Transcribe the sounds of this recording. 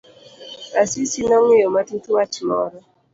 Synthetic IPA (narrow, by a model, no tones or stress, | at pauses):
asisinɔŋɪjɔmatitwat͡ʃmɔ̰ɾɔ